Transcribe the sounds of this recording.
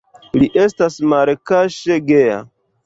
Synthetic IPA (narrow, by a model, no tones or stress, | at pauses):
liʔe̞stasmalkaʃeɡeja̰